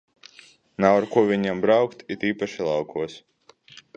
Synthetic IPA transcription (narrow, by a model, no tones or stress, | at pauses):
nawaɾkuɔvʲiɲambɾawkt̪it̪iːpaʃilˠɑwkʰuɔs